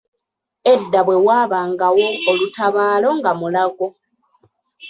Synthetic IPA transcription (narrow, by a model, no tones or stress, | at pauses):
e̞dːaβwe̞waːβaːŋɡawo̞ːlutʰaβaːlo̞ŋɡamulaɡo̞